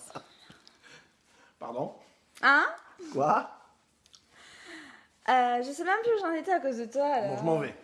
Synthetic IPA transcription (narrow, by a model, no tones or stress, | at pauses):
pa̰ʁd̪ɔ̃ | ãkwa | øʒəsɛmɛ̃mpuʒɑ̃net̪ɛakozd̪ət̪waːlɔɔ̃ʁʒəmɑ̃ve